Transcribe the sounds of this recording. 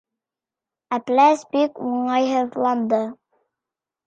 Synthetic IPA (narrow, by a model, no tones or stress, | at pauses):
æplæsbikuɴɑjɦɤðlˠɑnd̪ɤ